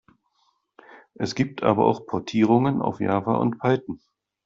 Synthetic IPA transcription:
ʔɛsɡ̥iːp̚tʰʔa̰ːbɐ̰ʔa̰ʊxpʰɔɐtʰiːʁ̞ʊŋənʔa̰ʊfja̰ːvɐ̰ʔʊ̰ntpʰaltn̩

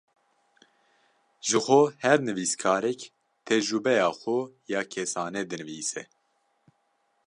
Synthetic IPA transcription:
ʒɨxohɛɾnɨviːskʰɑːɾɛk | t̪ʰɛd͡ʒɾubɛjɑːxojɑːkʰɛsɑːnɛd̪ɨnɨviːsɛ

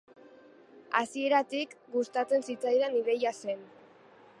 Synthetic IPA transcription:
a̰sie̞ɾat̪ikɡust̪at͡se̞nsit͡sajðaniðe̞jase̞n

